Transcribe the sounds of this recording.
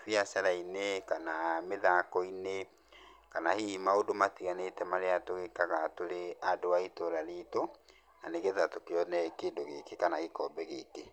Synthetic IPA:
fiasaɾainekanameðakɔine | kanahimaodomatiɣanetɛmaɾeatoɣekaɣatoɾeadoaitoɾaɾiːto | naneɣeðatokeɔnɛkeːndoɣekekanaɣekɔbɛɣeke

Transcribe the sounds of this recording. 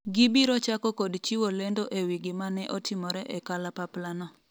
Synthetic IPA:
ɡibiɾɔt͡ʃakɔkodt͡ʃiwolendoʔewiɡɪmanɛʔɔtɪmɔɾɛʔɛkalapaplanɔ

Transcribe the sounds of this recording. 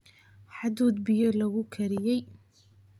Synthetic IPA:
ħad̪uːd̪̚bɪjɔlɐɣʊkʰɐɾɪjɛj

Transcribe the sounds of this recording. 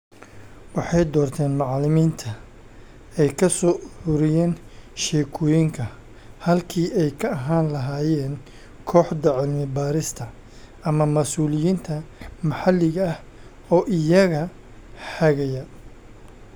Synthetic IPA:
wɑħɑjd̪ɔːrt̪ʰɛːnmɑʕlɪmiːnt̪ʰɐ | ɛjkʰɐsɔːʔʊɾʊɾɪjɛːnʃɛːkʰɔːjɪŋkʰɐ | hɐlkʰiːɛjkʰɐɐɦaːnlɐɦaːjɛːn | kʰɔːħd̪ɐʕɪlmɪbaːɾɪst̪ʰɐ | ɐmɐmɐsuːlɪjiːnt̪ʰɐmɐħɑlːɪɣɐɐh | ɔːʔɪjɐɣɐ | ħɐɣɐjɐ

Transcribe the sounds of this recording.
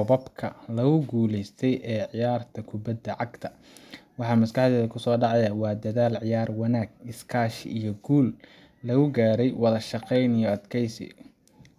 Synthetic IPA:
ɔbɐbkʰɐlɐɣʊɡuːlɛjst̪ʰɛjʔɛːʕɪjaːrt̪ʰɐkʰʊbɐd̪ɐʕɑɡt̪ʰɐ | wɑħɑːmɐskɑħd̪ɛːðɐkʰʊsɔːɖɑʕɑjɐwɑːd̪ɐðaːlʕɪjaːrwɑnaːɡ̚ɪskʰaːʃijɞɡuːlː | ɐɣʊɡaːɾɛjwɑðɐʃɑqɛjnijɔɐd̪kʰɛjsɪ̰

